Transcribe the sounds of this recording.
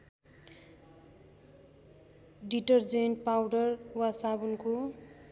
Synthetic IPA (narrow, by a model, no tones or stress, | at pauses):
ɖiʈʌrd͡zenʈpawɖʌrwasabunko